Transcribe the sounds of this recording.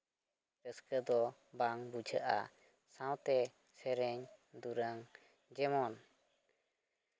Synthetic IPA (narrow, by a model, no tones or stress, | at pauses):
ɾəskəd̪ɔbaŋbud͡ʒʰʱəʔa̰ | sãwt̪ɛ | sɛɾɛɲd̪uɾaŋ | d͡ʒɛmɔn